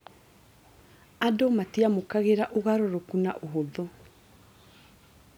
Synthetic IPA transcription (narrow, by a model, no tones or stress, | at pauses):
adomatiamokaɣeɾaʔoɣaɾoɾokunaʔoɦoðo